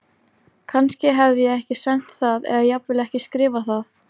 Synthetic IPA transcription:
kʰanscɪɦɛvðɪjɛɣɛhcɪsɛn̥t̪θaðɛ̰ðajɛapvɪlɛhcɪskɾɪːvaθað

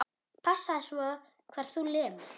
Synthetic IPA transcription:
pʰasːaðɪsvɔ | kʰvɛɾ̥θulɪːm

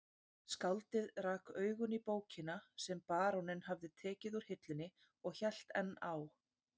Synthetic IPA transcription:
skawlt̪ɪðɾaːkœːɥɣʏnipoːwcʰɪnasɛmpaːɾɔwnɪnɦavðɪt̪ʰɛːcɪðuɾ̥hɪt̪lɪnːɪ | ɔɣçɛl̥t̪ɛ̰nːaw

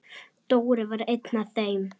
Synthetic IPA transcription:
t̪oːwɾɪvaɾejt̪naθeɥm

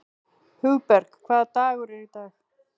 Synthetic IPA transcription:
hʉwpɛɾkkʰvaːðt̪aːɣʊɾɪɾit̪aːx

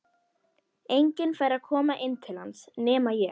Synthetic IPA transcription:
ejɲcɪnfeːjɾakʰɔːmaʔɪnːt̪ʰɪl̥hansnɛːmajɛ

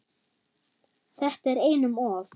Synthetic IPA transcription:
θɛht̪ɛɾeːjnʏmɔːv

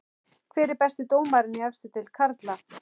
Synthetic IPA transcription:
kʰvɪːɾɪɾpɛst̪ɪt̪oːwmaɾɪniɛfst̪ʏt̪ʰɪlkʰaɾt̪la

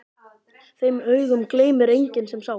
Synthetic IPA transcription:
θejmœɥɣʏmkleːjmʏɾejɲcɪnsɛmsa

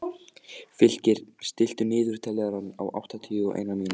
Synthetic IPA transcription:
fɪl̥cɪɾ̥st̪ɪl̥t̪ʏnɪːðʏɾ̥t̪ʰɛlːɛɣaɾanːa̰wʔa̰wht̪at̪ʰiːʏɔʔḛːjnamiːna

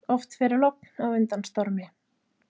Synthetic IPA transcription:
ɔft̪fɪɾɪɾlɔknawʏnt̪anst̪ɔɾmɪ

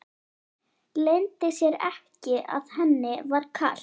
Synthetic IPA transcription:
lejnt̪ɪsjɛɾɛhcɪʔa̰ðhɛnːɪvaɾ̥kʰa̰ːl̥

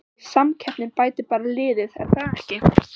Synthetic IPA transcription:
samcʰɛpnɪnpaːjt̪ɪpaːɾalɪːðɪðɛ̰ɾ̥θaɛhcɪ

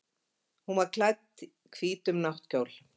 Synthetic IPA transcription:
hunvaɾkʰlajt̪ | kʰviːt̪ʏmnawht̪coːwl̥

